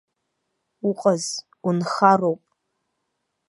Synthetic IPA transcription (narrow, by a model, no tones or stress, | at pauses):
uqʼaz | unχaro̞wpʼ